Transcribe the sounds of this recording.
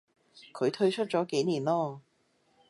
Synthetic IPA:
kʰɵ˨˧ɥt̪ʰɵ˥˧ɥt͡ʃʰɵ˥t̚t͡sɔː˨˥ke˨˥jniː˨˩nlɔː˥

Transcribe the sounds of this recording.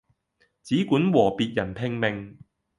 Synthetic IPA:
t͡siː˨˥kuː˨˥nwɔː˨˩piː˨˧t̚jɐ˨˩npʰɪ˧ŋmɪ˨˩ŋ

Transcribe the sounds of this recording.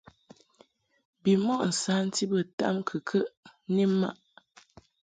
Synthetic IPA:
bi˨mɔ˦˨ʔn̩˨sa˦n̩˦ti˦bə˨ta̰˦mkʰə˨kʰə˦ʔni˦ma̰˦ʔ

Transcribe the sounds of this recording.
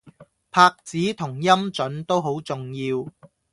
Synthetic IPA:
pʰaː˧k̚t͡siː˨˥t̪ʰʊ˨˩ŋjɐ˥mt͡sɵ˨˥nt̪o˥wɦo˨˥wt͡sʊ˨˩ŋjiː˧w

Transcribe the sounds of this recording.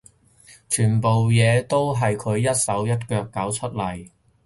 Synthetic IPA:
t͡ʃʰyː˨˩npo˨wjɛː˨˧t̪o˥wɦɐ˨jkʰɵ˨˧ɥjɐ˥t̚sɐ˨˥wjɐ˥t̚kœː˧kːɐ˨˥wt͡ʃʰɵ˥t̚lɐ˨˩j

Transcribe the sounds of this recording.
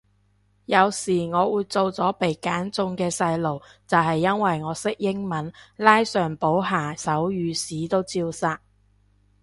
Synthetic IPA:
jɐ˨˧wsiː˨˩ŋɔː˨˧wuː˨jt͡so˨˧wt͡sɔː˨˥pe˨jkaː˨˥nt͡sʊ˧ŋkɛː˧sɐ˧jlo˨˩wt͡sɐ˨whɐ˨jːɐ˥nwɐ˨jŋɔː˨˧sɪ˥k̚jɪ˥ŋmɐ˨˥nlaː˥jsœː˨˩ŋpo˨˥wɦaː˨˩sɐ˨˥wjyː˨˧siː˨˥t̪o˥wt͡siː˧wsaː˧t̚

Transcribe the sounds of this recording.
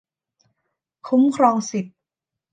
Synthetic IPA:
kʰu˦˥mkʰɾɔː˧ŋsi˨˩t̪̚

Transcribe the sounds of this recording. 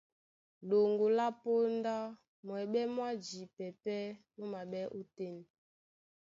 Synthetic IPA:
ɗo˨ŋɡo˨la˦po˦nda˦ | mwɛ˨ɓɛ˦mwa˦d͡ʒi˨pɛ˨pɛ˦nu˦ma˨ɓɛ˦ʔo˦te˦ni˨

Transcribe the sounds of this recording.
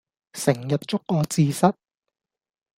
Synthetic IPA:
sɪ˨˩ŋjɐ˨t̚t͡ʃʊ˥kːɔː˧t͡siː˧sɐ˥t̚

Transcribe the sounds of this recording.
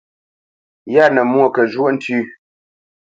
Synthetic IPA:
ja˦˨nə˨mwo˦˨kə˨ʒwo˦ʔn̩˦tʉ˦

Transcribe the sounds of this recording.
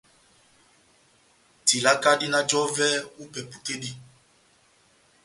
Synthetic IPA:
ti˨la˦ka˦di˦na˦d͡ʒɔ˦vɛ˦u˦pɛ˨pu˨ke˦di˦

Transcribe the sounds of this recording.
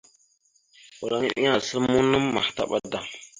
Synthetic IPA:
u˨ɾa˨ŋi˦ɗḭ˦ɲa˨sə˦lmmu˦nə˦mːa̰˨hta̰˦ɓa˦da˨

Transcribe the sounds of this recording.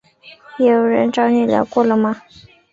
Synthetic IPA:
je˧˥jo˨˩ʊɻə˧˥nʈ͡ʂɑ˥˧ʊnɛ˥˩ljɑ̰˧˥ʊkwɔ˥˩lə˩mɐ˨

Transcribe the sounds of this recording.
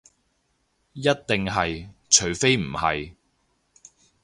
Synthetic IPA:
jɐ˥t̚t̪ɪ˨ŋɦɐ˨jt͡ʃʰɵ˨˩ɥfe˥jm̩˨˩hɐ̰˨j

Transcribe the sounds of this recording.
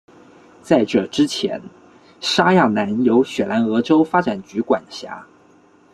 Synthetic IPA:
t͡sa˥˩ɪʈ͡ʂɤ˥˩ʈ͡ʂɻ̩˥t͡ɕʰjɛ̰˧˥n | ʂa˥ja˥˩na˧˥njo˧˥ʊɕɥɛ˨˩la˧˥nɤ˧˥ʈ͡ʂo˥ʊfa˥ʈ͡ʂa˨˩nt͡ɕy˧˥kwa˨˩nɕja̰˧˥

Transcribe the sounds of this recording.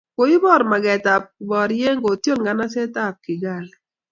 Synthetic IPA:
ko˨˦i˦bɔ˦˨ɾma˨ɡɛ˨ta˨p̚kbɔ˨ɾje˦ŋɡo˨tjo˦nɡa˨na˦sɛ˦ta˦˨p̚kɪ˨ɡa˦˨lɛ˨

